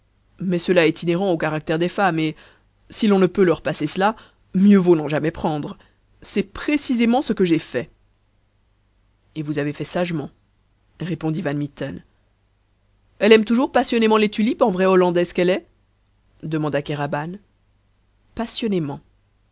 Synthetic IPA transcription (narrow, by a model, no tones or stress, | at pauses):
mɛsəlaɛt̪ineʁɑ̃okaʁak̚t̪ɛʁd̪ɛfame | silɔ̃nəpølœʁpasesəla | mjøvonɑ̃ʒamɛpχɑ̃d̪ʁ | sɛpχesizemɑ̃səkəʒefɛ | evuzavefɛsaʒmɑ̃ | ʁepɔ̃d̪ivanmit̪ɔn | ɛlɛmt̪uʒuʁpasjɔnemɑ̃let̪ylipɑ̃vʁɛɔlɑ̃d̪ɛsə̥kɛlɛ | d̪əmɑ̃d̪akaʁaban | pasjɔnemɑ̃